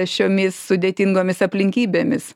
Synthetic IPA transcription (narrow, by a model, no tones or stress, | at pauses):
ʃʲoːmʲɪsːʊd̪ʲeːt̪ʲɪŋɡoːmʲɪsɐpʲlʲɪŋʲkʲiːbʲeːmʲɪs